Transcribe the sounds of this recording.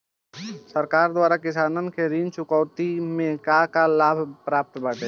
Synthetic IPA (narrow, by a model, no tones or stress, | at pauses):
səɾkaːɾd̪waːɾakɪsaːnənkeɾiːnt͡ʃʊkɔʊt̪imẽkakalaːbʱpɾaːp̚t̪baːʈ̪e